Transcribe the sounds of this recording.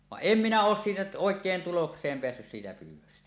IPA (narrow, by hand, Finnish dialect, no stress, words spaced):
ʋɑʔ ʔem minæ oːs siːtæ oˑekˑeːn tuloksˑeːm peæsːys siːtæ pyːwˑøstæ